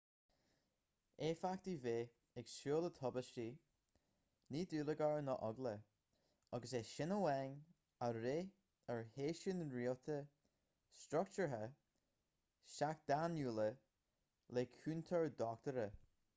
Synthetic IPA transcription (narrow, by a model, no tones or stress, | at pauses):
efak̚t̪iveː | ɛksʃuːlət̪ʰɔbəʃiː | niːd̪uːləɡaɹnəʔɔɡlə | ɔɡəseʃɪnəwɛŋ | aɾeː | əɹheːʃɪnɹiːlt̪ʰə | stɾʊk̚t͡ʃəɹɦə | ʃak̚d̪̥anjuːlə | leːkʰuːnt̪ʰəɹd̪ɔk̚t̪əɾə